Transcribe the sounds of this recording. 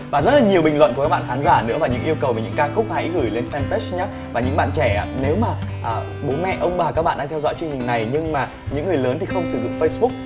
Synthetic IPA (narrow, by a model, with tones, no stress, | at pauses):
vaː˨˩zə˦˥t̚laː˨˩ɲi˨˩əwɓï˨˩ŋwə̰˧˨nkkːa˦k̚ɓa̰ː˧˨xaː˨˦nzaː˧˩nɨ̰˧˥əvaː˨˩ɲɨ̰˧˥ŋʔi˧əwkə˨˩wve˨˩ɲɨ̰˧˥ŋkaː˧xʊ˦˥k͡p̚ha̰˧˥jɣɨ˧˩jle˧nfɛ˧nt̪e˦˥sɲaː˦ | vaː˨˩ɲɨ̰˧˥ŋɓa̰ː˧˨nt͡ɕɛ˧˩a˧˩ne˨˦wmaː˨˩ʔəː˨˩ | ɓo˨˦mɛ̰˧˨ʔə˧wŋ͡mɓaː˨˩ka˦˥k̚ɓ̰ːɗaː˧t̪ɛ˧wzɔ̰˧˥jt͡ɕwəŋt͡ɕï˨˩ŋ̟na˨˩jɲɨ˧ŋmaː˨˩ | ɲɨ̰˧˥ŋːɨ˨˩əjləː˨˦nt̪ʰi˨˩xə˧wŋ͡msɨ˧˩zʊ̰˧˨ŋ͡mfə˧jsɓʊ˦˥k̚